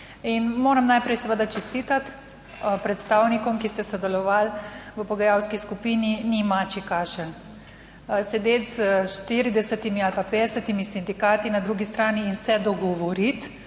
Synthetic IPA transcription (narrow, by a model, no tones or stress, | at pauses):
inmoːɾamnajpɾɛjsɛʋəd̪at͡ʃɛst̪it̪at̪ | pɾɛt̪st̪awnikɔmkist̪ɛsɔd̪ɛlɔʋalʋəpɔɡajawskiskupininimat͡ʃikaːʃən | sɛd̪eːt̪zəʃt̪iɾid̪ɛsət̪imialpapeːd̪ɛsət̪imisind̪ikaːt̪inad̪ɾuɡist̪ɾaːniːnsɛd̪ɔɡɔʋɔɾit̪